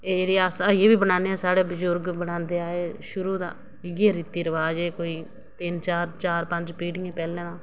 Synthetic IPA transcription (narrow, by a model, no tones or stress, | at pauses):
eːɾiːaːsaːieːbiːbənãːneːaːsaːɽeːbəzʊɾɡbənãːnd̪eːaːeːʃʊɾuːd̪a̰ː | ɪɡeːɾit̪iːɾəʋaːd͡ʒeːkoːiː | t̪ɪnt͡ʃaːɾt͡ʃaːɾpəɲd͡ʒpɾiːɖɪẽːpɛːlẽːnãː